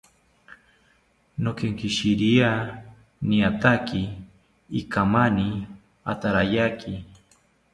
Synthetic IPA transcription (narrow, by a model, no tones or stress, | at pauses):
nokeŋkiʃiɾia | niat̪akiː | kamani | a̰t̪aɾajakʰi